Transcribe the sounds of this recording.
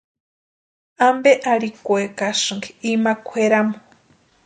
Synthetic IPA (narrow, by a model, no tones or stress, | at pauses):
ambeʔaɾikʷwekaʂɨŋɡiimakʷʰweɾamo